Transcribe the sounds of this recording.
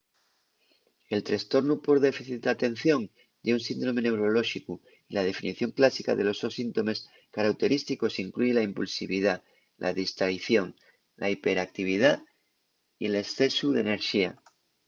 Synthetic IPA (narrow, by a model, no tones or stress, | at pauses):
e̞lt̪ɾest̪o̞ɾnupo̞ɾðe̞fiθit̪̚d̪at̪e̞n̟θjo̞ŋ | d̪eunsind̪ɾo̞me̞ne̞wɾo̞lo̞ʃiku | ilaðe̞finiθjo̞ŋklasika̰ðe̞lo̞zðosint̪o̞me̞s | kaɾawt̪e̞ɾist̪iko̞siŋklujelaimpulsiβið̞a | lʔa̰ðist̪ɾaiθjo̞ŋ | lʔa̰ipe̞ɾak̚t̪iβ̞ið̞a | iele̞sθe̞suðe̞ne̞ɾʃia